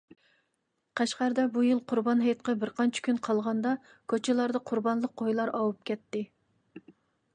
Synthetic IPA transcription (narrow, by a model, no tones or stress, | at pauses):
qʰɛʃqɑɾd̪ɛbujilˠqʰʊɾbɑnɦɛjɑt̪̚qɑbɪɾqʰɑnt͡ʃʰɪ̥kʲʰynqʰɑlˠʁɑnd̪ɑ | kʲʰøt͡ʃʰɪlˠɑɾd̪ɑqʰʊɾbɑnlˠəq̚qʰːojlˠɑɾɑwup̚kʲʰɛt̪ːɪ